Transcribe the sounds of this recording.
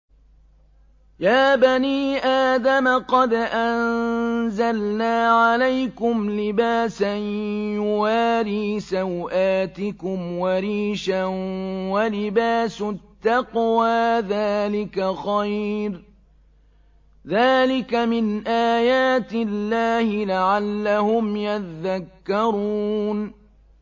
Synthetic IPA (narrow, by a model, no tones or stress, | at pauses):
jaːbaniːʔaːd̪amaqɑd̪ʔannzalnaːʕalajkʊmlɪbaːsanwaɾiːsawʔaːt̪ɪkʊmwaɾiːʃawalɪbaːsʊt̪ːɑqwaːðaːlɪkaxajɾ | ðaːlɪkamɪnʔaːjaːt̪ɪlːaːhɪlaʕalːahʊmjaðakːɑɾˤuːn